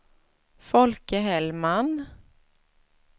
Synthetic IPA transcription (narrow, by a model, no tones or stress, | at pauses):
fɔlkəɦɛlman